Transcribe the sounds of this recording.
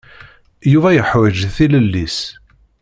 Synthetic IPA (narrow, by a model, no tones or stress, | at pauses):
juvæjəħwæd͡ʒθiləlːis